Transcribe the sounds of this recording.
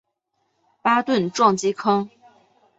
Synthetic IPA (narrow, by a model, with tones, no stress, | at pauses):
pa˥t̪wə˥˩nʈ͡ʂwɑ˥˧ŋt͡ɕi˥kʰɤ˥ŋ